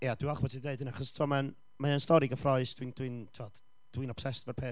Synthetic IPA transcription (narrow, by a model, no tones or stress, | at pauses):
jad̥iɔχbɔtʰideɨdəniaχɔstʰiwɔman | maənstɔɾiɡəfrɔɨsd̥wind̥wintʰuɔd | d̥wiːnɔpsɛstvɛrpʰeː